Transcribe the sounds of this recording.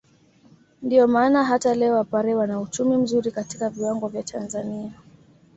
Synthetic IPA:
ndiɔmaːnaɦatalɛɔwapaɾɛwanaut͡ʃumim̩zuɾikatikaviwaŋɡɔvjatʰanzania

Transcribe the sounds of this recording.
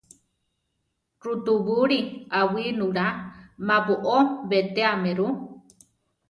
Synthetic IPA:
ɾut̪uβuɾiawinuɾamapuʔoβet̪eameɾu

